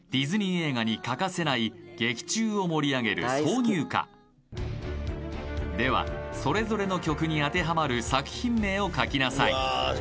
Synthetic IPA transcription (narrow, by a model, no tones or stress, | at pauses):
d̪̥ʲizɨɲ̟ie̞ːɡaɲ̟ikakase̞naiɡ̥e̞kʲi̥t͡ɕɨːo̞mo̞ɾʲiaɡe̞ɾɯ̟so̞ːɲ̟ʲɨːka̰ | d̪e̞βa̰so̞ɾe̞zo̞ɾe̞no̞kʲo̞kɯ̟ɲ̟iat̪e̞ɦamaɾɯ̟sakɯ̟̥çĩmːe̞ːo̞kakʲinasaḭ